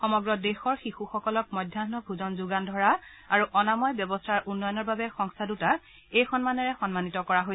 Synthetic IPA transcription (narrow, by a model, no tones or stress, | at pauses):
xɔmɔɡɹɔdexɔɹxixuxɔkɔlɔkmɔjdʱjanɔbʱuzɔnzuɡandʱɔɹa | aɹuʔɔnamɔjbjɔbɔstʰaɹʔunːɔjɔnɔɹbabɛxɔŋstʰaduta | ejxɔnmanɛɹɛxɔnmanitɔkɔɹaɦo